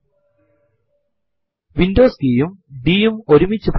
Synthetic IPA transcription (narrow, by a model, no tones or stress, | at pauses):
ʋind̪oːskiːjumɖiːjumoɾumit͡ɕːɨp